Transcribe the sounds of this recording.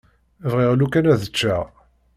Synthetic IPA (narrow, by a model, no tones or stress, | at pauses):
vʁiʁlukænæðət͡ʃːæ